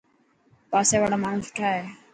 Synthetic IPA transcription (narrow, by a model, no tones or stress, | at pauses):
paːseːʋaːɽaːmaːnũːsʊ̥ʈʰaːɦeː